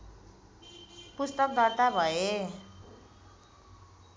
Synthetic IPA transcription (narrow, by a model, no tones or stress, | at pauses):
pust̪ʌk̚d̪ʌrt̪abʱʌe